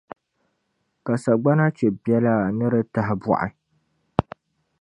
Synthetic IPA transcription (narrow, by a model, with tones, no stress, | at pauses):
ka˨sa˨ɡ͡ba˦na˦t͡ʃɛ˨bjɛ˦la˦nɨ˦ɾɨ˦ta˨ɦɪ˨bɔ̰˨ʔa̰˨